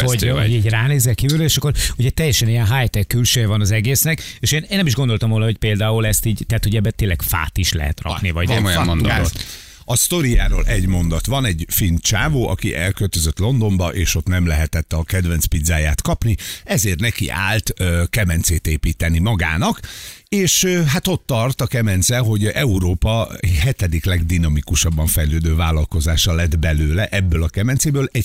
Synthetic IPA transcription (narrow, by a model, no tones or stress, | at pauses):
oɟoɟiːɟraːneːzɛkːiːvyløeːʃɒkːo̞ɾuɟɛt̪ɛjːɛʃɛnijɛnɦaːjt̪ɛkːylʃøːjɛvɒnɒzɛɡeːsnɛkeːʃeːneːnːɛmiʒɡo̞nd̪o̞lt̪ɒmvoːnɒɦo̞c̚peːld̪aːulɛst̪iːɟt̪ɛat̪hoɟɛbːɛt̪eːnlɛɡ̥fa̰ːt̪iʃlɛ̰ɦɛ̰t̪rɒ̰knivɒɟojono | ɒst̪o̞ɾijaːɾo̰ːlʔɛɟmo̞nd̪ɒt̪vɒnɛɟfint͡ʃaːvoːɒ̰kḭʔɛlkølt̪øzøt̪lo̞nd̪o̞mbɒʔeːʃo̞t̪nɛmlɛɦɛt̪ɛt̪ːɒkɛd̪vɛnt̪spid̪zaːja̰ːt̪kɒpniɛzeːrt̪nɛkḭʔa̰ːlt̪ːkɛmɛnt̪seːt̪eːpiːt̪ɛnimɒɡa̰ːnɒkeːʃøɦat̪o̞t̪ːɒrt̪ɒkɛmɛnt̪zsɛlɦo̞ɟɛuɾoːpɒɦɛt̪ɛd̪iklɛɡd̪inɒmikuʃɒbːɒɱfɛjløːd̪øːvaːlɒlko̞zaːʃɒlɛd̪bɛløːlɛʔɛbːøːlɒkɛmɛnt̪seːbøːlɛɟ